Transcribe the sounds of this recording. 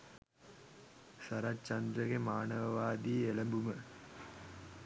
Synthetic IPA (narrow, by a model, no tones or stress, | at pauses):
sɐɾat͡ʃɐnd̪ɾɐɡemaːnɐʋɐʋaːd̪ielɐmbumə